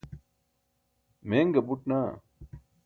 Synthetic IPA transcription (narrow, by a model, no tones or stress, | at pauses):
meːŋɡɐbuʈnaː